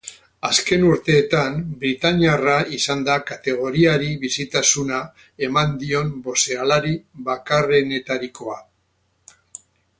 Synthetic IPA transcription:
aske̞nuɾt̪e̞ːt̪ambɾit̪aniaraisand̪akat̪e̞ɣ̞o̞ɾiaɾiβisit̪asuna | e̞mand̪io̞mbo̞se̞alaɾiβakare̞ne̞t̪aɾiko̞a

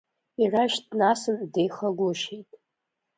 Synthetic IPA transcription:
iraʃtʰnasɨndejχaɡʷʊʃejtʼ

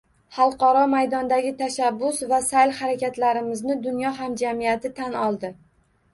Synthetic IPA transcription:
hɑlˠqɒɾɒmajd̪ɒnd̪aɡʲɪt̪ʰaʃabːʊsvasajlhaɾakʲat̪laɾɪmɪznɪd̪ʊnjɒɦamd͡ʒamijat̪ʰɪt̪ʰanɒlˠd̪ɪ

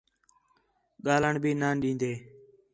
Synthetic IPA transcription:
ɠaːləɳbʱiːnaːnɗĩːnd̪eː

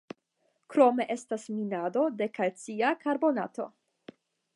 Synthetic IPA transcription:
kɾo̞me̞ʔe̞stasminado̞de̞kalt͡siakaɾbo̞na̰to̞̰

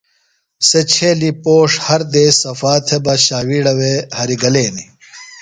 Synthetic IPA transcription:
set͡ɕʰeːlipoːʂhɐɾd̪eːsɐfaːt̪ʰebɐɕaːwiːɽɐwehɐɾiɡɐleːni

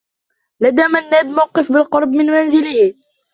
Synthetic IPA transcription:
lad̪aːmanːaːd̪mawqɨfbɪlqɑɾˤbmɪnmanzɪlɪhɪ

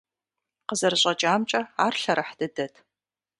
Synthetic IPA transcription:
qəzɐrɨɕʼɐt͡ʃʼaːmt͡ʃʼɐaːrɬɐɾɐħd̥ɨdɐtʰ

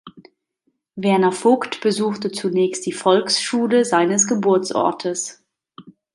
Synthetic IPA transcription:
vɛɐnɐfʊktb̥əzuːxtət͡sunɛːçst̚d̥iːfɔlksʃuːləzaɪnəsɡ̥əbʊɐt͡sʔɔ̰ɐtʰəs

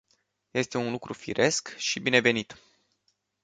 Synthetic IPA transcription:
je̞st̪e̞unlukɾufḭɾʔe̞skʃibine̞ve̞nit̪

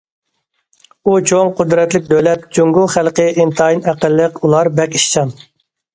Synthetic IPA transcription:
ut͡ʃʰoŋqʰʊd̪ɾɛt̪lɪk̚ʲd̪ølɛt̪̚d͡ʒuŋɡʊlˠχælqəʔɪnt̪ʰɑjinæqəlːəqulˠɑɾbɛkʲiʃt͡ʃɑn

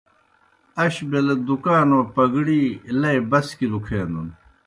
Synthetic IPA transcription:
ɐɕbeled̪ukaːnopɐɡɽiːlɐibɐskilukʰeːnd̪un

